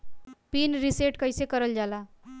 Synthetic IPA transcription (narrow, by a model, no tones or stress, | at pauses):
pinɾiseʈkəjsekəɾəld͡ʒala